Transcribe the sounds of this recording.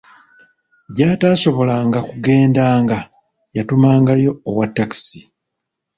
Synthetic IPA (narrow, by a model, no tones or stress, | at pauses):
ɟaːtaːso̞βo̞laːŋɡakuɡe̞ːndaːŋɡa | jatumaːŋɡajo̞ːwatːaki̥si̥